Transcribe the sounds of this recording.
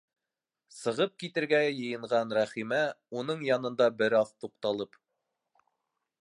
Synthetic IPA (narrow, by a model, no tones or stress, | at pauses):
sɤ̆ʁɤp̚kit̪ɘ̆ɾɡæjɤ̆jɤ̆ɴʁɑnɾæχimæunɤɴjɑnɤ̆nd̪ɑbɘɾɑθt̪uqt̪ɑlˠɤp